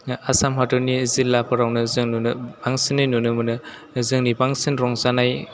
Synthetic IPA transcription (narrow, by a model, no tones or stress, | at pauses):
asamɦatɯnizilːapʰɯɾawnɯzɯŋnunbaŋsinːɯnunɯmɯnɯ | zɯŋnibaŋsinɾɔŋzanaj